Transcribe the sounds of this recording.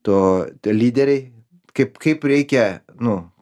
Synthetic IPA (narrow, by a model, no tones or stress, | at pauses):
t̪olʲiːd̪ʲɛɾʲe | kɐpkɐpɾʲɛɪkʲɛ | nʊ